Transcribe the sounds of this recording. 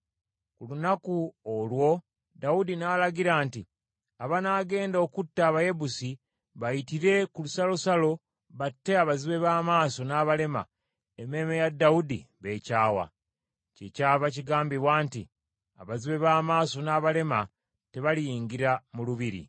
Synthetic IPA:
kulunakuolwo̞ | daudinaːlaɡiɾaːnti | aβanaːɡe̞ːndo̞ːkutːaːβaje̞busi | βajitiɾe̞kulusalosalo̞ | βatːe̞aβaziβe̞βaːmaːso̞naːβale̞ma̰ | eme̞mejadːaudiβe̞ːcaːwa̰ | ce̞caːβaciɡaːmbiβwaːntḭ | a̰βaziβe̞βaːmaːso̞naːβale̞ma | te̞βalijiːŋɡiɾamuluβiɾḭ

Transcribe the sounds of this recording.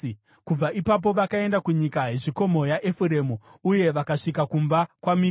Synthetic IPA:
kub͡vaʔipap̬o̞ʋakae̞ndakuɲikaɦe̞ʐiko̞mo̞jaʔefuɾe̞muuje̞ʋakaʂikakumbakwami

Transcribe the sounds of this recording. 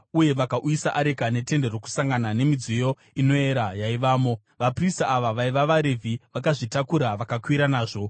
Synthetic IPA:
uje̞ʋakaʔujisaʔaɾekane̞te̞nde̞ro̞ku̥saŋɡanane̞mid͡zijo | ino̞e̞ɾajaiʋaːmo̞ | ʋapristaːʋaʋaiʋaʋaɾevʱiʋakaʐitakuɾaʋakakwiɾanaːʐo̞

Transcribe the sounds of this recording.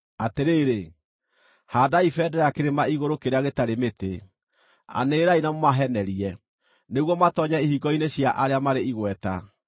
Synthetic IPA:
ateɾeːɾe | hadaifɛdɛɾɛakeɾemaiɣoɾokeɾeaɣetaɾemete | a̰neːɾainamomaɦɛnɛɾiɛ | neɣwɔmatɔɲaihiɡɔineɕjaʔaɾeamaɾeiɣwɛta

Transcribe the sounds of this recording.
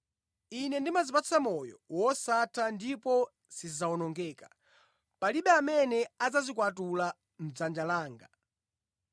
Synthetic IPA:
inɛndimazipat͡samɔjɔ̰wɔsatʰandipɔ | sizawɔnɔŋɡɛkḁ | paliɓɛamɛnɛad͡zazikwat̬ula | m̩d͡zand͡ʒalaːŋɡa

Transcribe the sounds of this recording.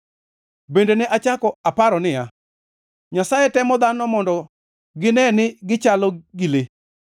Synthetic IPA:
bendeneʔat͡ʃakɔapaɾɔnɪja | ɲasajɛtɛmɔd̪anɔmɔndɔ | ɡɪnɛnɪɡɪt͡ʃalɔɡile

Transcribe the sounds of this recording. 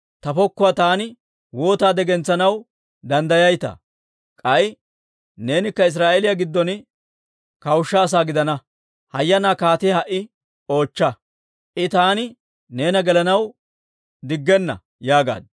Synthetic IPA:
t̪ɐfɔkːʊaːt̪aːnɪ | woːt̪aːd̪ɛɡɛnt͡sːɐnɐw | d̪ɐnd̪ɐjɐjt̪ɐ̰ | kʼɐj | ne̞ːnɪkːɐɪs̬ɾaːʔelɪjɐɡɪd̪ːɔn | kɐwʃːaːs̬aːɡɪd̪ɐnɐ | hɐjːɐnaːkaːt̪ɪhɐʔɪ | o̞ːt͡ʃːɐ | ʔɪt̪aːnɪ | ne̞ːnɐɡɛlɐnɐw | d̪ɪɡːɛnːɐ̰ | jaːɡa̰ːd̪

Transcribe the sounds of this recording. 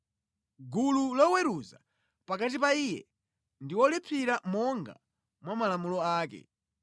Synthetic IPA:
ɡululɔwɛɾuza̰ | pakat̬ipaiːjɛ̰ | ndiwɔlipʰiɾamɔŋɡa̰ | mwamalamulɔaːk̬ɛ̰

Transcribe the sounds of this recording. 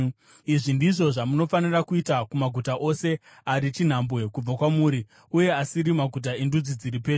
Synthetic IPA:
iʐindiʐo̞ʐamuno̞fanirakuitakumaɡʱutaʔo̞se̞ | aɾit͡ʃin̤ambwe̞kub͡vakwamuːɾi | uje̞asiɾimaɡʱut̬aendud͡zid͡ziɾipe̞ːʐe

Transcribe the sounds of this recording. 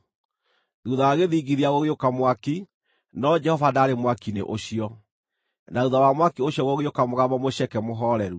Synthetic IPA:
ðuðaaɣeðiːɡiðiaɣoɣeokamwaki | nɔd͡ʒɛhɔvadaːɾemwakinḛʔoɕiɔ | nauðawamwakioɕjɔɣoɣeokamoɣaβɔmoɕɛkɛmoɦɔɾɛɾu

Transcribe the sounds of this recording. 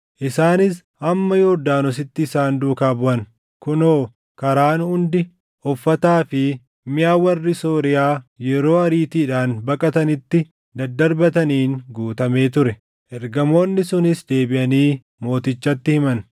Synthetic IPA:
ʔɪsaːnɪs | ɐmːɐjoːd̪aːnɔs̬ɪt̪ːɪːsaːnd̪uːkaːbʊʔɐn | kʊnoː | kɐɾaːnhʊnd̪ɪ | ɔfːɐt̪aːfɪ | mɪjaːwɐrːɪso̞ːɾɪjaːjɛɾo̞ːɐɾiːt̪iːᶑaːnbɐkʼɐt̪ɐnɪt̪ːɪ | d̪ɐd̪ɐɾbɐt̪ɐniːŋɡuːt̪ɐme̞ːt̪ʊɾɛ | ʔɛɾɡɐmo̞ːnːɪsʊnɪsd̪e̞ːbɪʔɐniː | mo̞ːt̪ɪt͡ʃːɐt̪ːɪhɪmɐn

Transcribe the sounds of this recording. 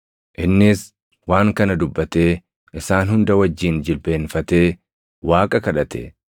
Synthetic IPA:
ʔɪnːɪs | waːŋkɐnɐd̪ʊbːɐt̪e̞ː | ʔɪsaːnhʊnd̪ɐwɐd͡ʒːiːnd͡ʒɪlbe̞ːnfɐt̪e̞ː | waːkʼɐkɐᶑɐt̪ɛ̰

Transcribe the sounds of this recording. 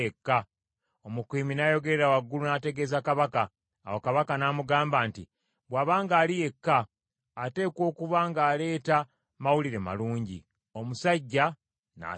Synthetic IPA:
ekːa | omukiːminajo̞ɡe̞ɾeɾawaɡːulunaːte̞ɡe̞ːzakaβaka̰ː | wo̞kaβakanamuɡaːmbaːnti | βwaβaːŋɡaːlije̞kːaː | te̞ːko̞ːkuβaːŋɡaːle̞ːta | mawuliɾe̞ma̰luːɲɟḭ | o̞musaɟːa | na̰

